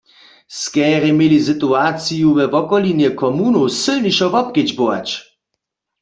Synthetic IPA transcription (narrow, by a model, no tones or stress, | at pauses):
skɛʁɛmjelis̬ɨt̪uat͡sijuvɛvɔkɔlinjɛkʰɔmunosɨlniʃɔvɔp̚ked͡ʑbowa̰t͡ɕ